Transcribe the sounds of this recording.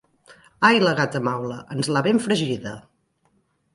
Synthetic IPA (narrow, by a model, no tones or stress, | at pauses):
ajləɣat̪əmawləʔənzlaβeɱfɾəʒiðə